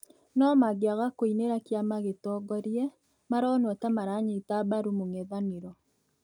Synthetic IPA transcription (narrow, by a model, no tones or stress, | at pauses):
nɔmaɡeaɣakoineɾakjamaɣetɔɡɔɾjɛ | maɾɔnɔtamaɾaɲetabaɾumoŋɛðaneɾɔ